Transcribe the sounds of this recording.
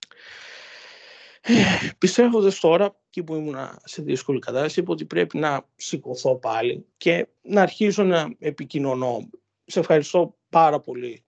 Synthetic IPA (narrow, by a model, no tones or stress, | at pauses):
epist̪e̞vo̞nd̪ɐst̪o̞ɾɐecipuimunɐ̰se̞ðisko̞likɐt̪ɐsɐsiipɐo̞t̪ipɾe̞pinɐsiko̞θo̞pɐlḭce̞ | nɐːɾçizonɐepicino̞no̞ | ssefxɐɾist̪o̞ | pɐɾɐpo̞li